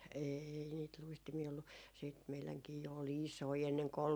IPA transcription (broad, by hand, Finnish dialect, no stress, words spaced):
eːi niːt luistimiː olːu siːt meilæŋkiː jo ol isoi enːeŋko ol